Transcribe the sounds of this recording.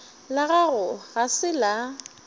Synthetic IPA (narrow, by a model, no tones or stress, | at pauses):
laɣaɣʊɣasɪla